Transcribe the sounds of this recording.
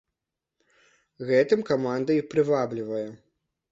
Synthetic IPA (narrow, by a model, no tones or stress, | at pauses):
ɣɛt̪ɨmkamand̪ɐipɾɨvablʲivɐjɛ